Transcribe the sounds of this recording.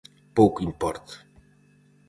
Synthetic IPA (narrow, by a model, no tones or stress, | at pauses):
powkimpɔɾt̪